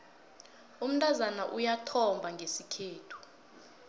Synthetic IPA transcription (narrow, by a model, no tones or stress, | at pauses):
um̩tʼazanaʔujatʰɔmbʱaŋɡʱesikʰeːtʰu̥